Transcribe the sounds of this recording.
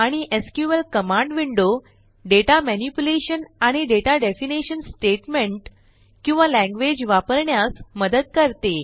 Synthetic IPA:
aɽ̃iʔeskjuʋəlkəmãɳɖʋiɳɖo | ɖeʈamɛnipuleɕənaɽ̃iɖeʈaɖefiniɕənsʈeʈmeɳʈ | kĩw̃ʋalæ̃ŋɡʋed͡ʑʋapəɾɳjasməd̪əd̪̚kəɾt̪e

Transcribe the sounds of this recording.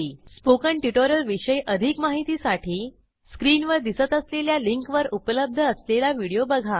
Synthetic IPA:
spokəɳʈiʈoɾjəlʋiɕəjʔəd̪ʱikmaɦit̪iːsaʈʰiː | skɾiːnʋəɾd̪isət̪əsleljaliŋkʋəɾupələb̚d̪ʱəəslelaʋiɽijobəɡʱa

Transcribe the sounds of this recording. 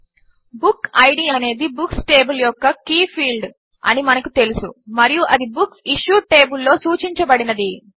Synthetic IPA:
bukɐjɖiːɐne̞ːd̪ibuksʈe̞ːbuljɔkːɐkiːpʰiːlɖ | ɐ̰nimɐnɐkut̪e̞lusṵmɐɾijuʔɐd̪ibuksiʃuːʈe̞ːbulːo̞ːsuːt͡ʃiɲt͡ʃɐbɐɽinɐd̪i

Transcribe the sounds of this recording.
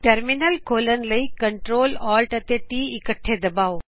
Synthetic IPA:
ʈɐɾminəlkʰoːlənɪ̆lɐikɐɳʈɾoːlɔːlʈɐt̪eʈiːɪkəʈʰːed̪ɐbaːo

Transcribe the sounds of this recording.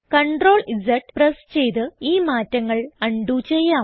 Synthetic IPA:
kɐɳɖro̞ːɭisɐʈprest͡ɕe̞jt̪ɨiːmaːtːɐŋːɐɭɐɳɖut͡ɕe̞jːaː

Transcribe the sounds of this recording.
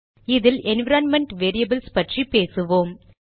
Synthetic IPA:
ɪðɪlʔɛnʋɪɾaːnmɛɳʈʋeːɾiɐbɐlspɐʈripeːsɯʋoːm

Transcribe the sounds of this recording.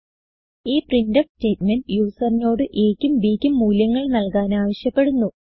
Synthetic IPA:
iːprindɐfste̞ːtmɐnɖjuːsɐrino̞ːɽɨʔeːkʲːumbiːkʲːumːuːljɐŋːɐɭnɐlkaːnaːʋɐɕjɐpːe̞ɽunːu

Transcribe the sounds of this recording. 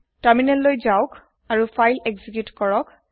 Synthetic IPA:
taminɛlːojzaʊk | aɹufʰajleɡzikjutkɔɹɔk

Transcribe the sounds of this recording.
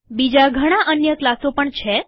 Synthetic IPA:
bid͡ʒaɡʱəɽ̃aʔənjəklasopəɳt͡ʃʰe

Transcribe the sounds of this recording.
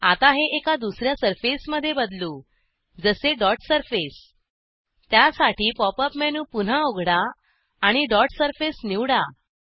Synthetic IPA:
at̪aɦeʔekad̪usɾjasəɾfesməd̪ʱːjebəd̪luː | d͡zəseɖɔʈsəɾfes | t̪jasaʈiːpɔpəpmɛnuːpun̤aoɡʱɽaː | ɽ̃iɖɔʈsəɾfesniwɽa

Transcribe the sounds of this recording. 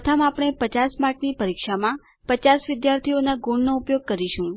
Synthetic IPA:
ət̪ʰamapɽ̃epət͡ʃasmaɾknipəɾikʃamã | pət͡ʃasʋɪd̪jaɾt̪ʰionaɡoɳnoupjoɡ̚kəɾiʃũ

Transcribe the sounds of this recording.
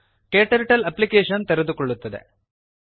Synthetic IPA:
keːʈɐɾʈɐlɐpːlikeːʂɐnt̪eɾed̪ukɔɭːut̪ːɐd̪ḛ

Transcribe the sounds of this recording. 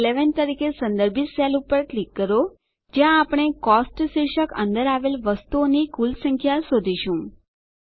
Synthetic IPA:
leʋənt̪əɾikesə̃nd̪əɾbʱiselupəɾʈlikːəɾo | d͡ʒjãːpɽ̃ekɔsʈʃiɾʃəkə̰nd̪əɾaʋelʋəst̪uonikulsəŋkʰjasod̪ʱiʃũ

